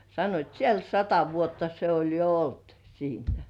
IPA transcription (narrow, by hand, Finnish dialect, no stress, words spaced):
sɑnːoit siel sɑtɑ ʋuotːɑ se olʲ jo olt siːnæ